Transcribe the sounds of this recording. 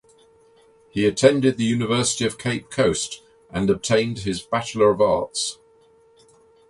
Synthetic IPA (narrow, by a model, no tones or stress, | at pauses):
hiətʰɛ̃ndɪd̪̚ðəjʉːnɪvɜˑsɪ̥tiəv̥kʰeɪp̚kʰəʊst | ʔə̃nəb̚tʰẽɪ̃nd̥ɪzbat͡ʃələɹəvɑˑts